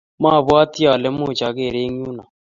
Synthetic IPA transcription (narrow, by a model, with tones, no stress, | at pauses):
ma˦˨βwa˦t̪i˦a˨lɛ˦mu˦˨t͡ʃa˨ɣe˦˨ɾe˦ŋ˦u˦na˨